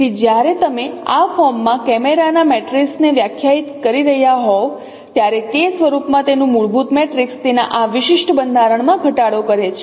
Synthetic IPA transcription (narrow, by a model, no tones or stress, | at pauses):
ked͡ʒjaɾet̪əmeafɔɾmːãkɛmeɾanamɛʈɾiksneʋjakʰjait̪kəɾiɾəɦjaɦɔʋ | t̪jaɾet̪esʋəɾupmãt̪enũmuɭbut̪mɛʈɾikst̪ena̰ʔaʋɪʃɪʃʈʰəbənd̪ʱaɾəɳmãɡʱəʈaɽokəɾet͡ʃʰe